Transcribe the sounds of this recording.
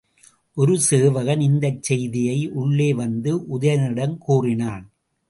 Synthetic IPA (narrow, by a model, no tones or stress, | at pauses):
ʔɔɾɯseːʋɐɣɐnɪnd̪ɐt͡ʃːɛjðɪjɐɪʔʊɭːeːʋɐnd̪ɯʔʊðɐjɐnɪɽɐmkuːrɪnaːn